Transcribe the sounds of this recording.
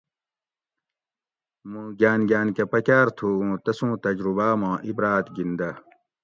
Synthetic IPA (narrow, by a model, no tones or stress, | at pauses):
mũːɡaːnɡjaːnkepɐkaːɾt̪ʰuũːt̪ɐsũːt̪ɐd͡ʑɾubaːmãːʔibɾaːt̪ɡind̪ɐ